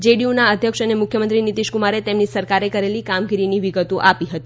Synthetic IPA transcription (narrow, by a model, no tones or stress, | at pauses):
d͡ʒeɖiunaəd̪ʱjəkʃənemʊkʰjəmənt̪ɾinit̪iʃkumaɾet̪emnisəɾkaɾekəɾelikamɡiɾiniʋiɡət̪oʔapiɦət̪i̥